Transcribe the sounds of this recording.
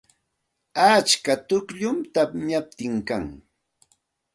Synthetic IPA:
at͡ʃkat̪ʊkʎʊmt̪aɲap̚t̪ɪŋkaŋ

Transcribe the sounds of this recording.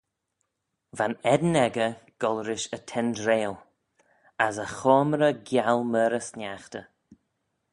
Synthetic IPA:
vanɛd̪nɛɡəɡ̥ɔlɾɪʃətʰɛndɾeːlˠ | asəxɔːmɾəɡjalməːɾəsnjaxt̪ə

